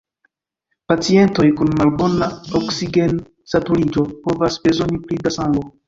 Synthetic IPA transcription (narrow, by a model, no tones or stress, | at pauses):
pat͡sie̞nto̞jkunmalbo̞naoksiɡe̞n | satulid͡ʒo̞po̞vasbe̞zo̞niplidasaŋɡo